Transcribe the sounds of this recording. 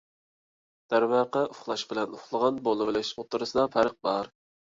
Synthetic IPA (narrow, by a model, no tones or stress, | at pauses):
d̪̥æɾwɑːqəʔʊχlˠɑʃbɪlɛnʊχlˠəʁɑnbolˠɨwlɪʃot̪ʰːɨɾɨsɨd̪ɑpʰæɾəq̚bɑɾ